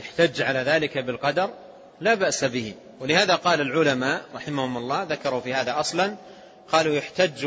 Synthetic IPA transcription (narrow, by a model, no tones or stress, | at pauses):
jaħt̪ad͡ʒːʕalaːðaːlɪkabɪlqɑd̪ɑɾˤ | laːbaʔsabɪhɪ | wɪlɪhaːðaqɑːlalʕʊlamaːʔɾˤɑħɪmahʊmʊlˤːɑːðakɑɾˤufiːhaːðaʔɑsˤlɑn | qɑːlujʊħt̪ad͡ʒː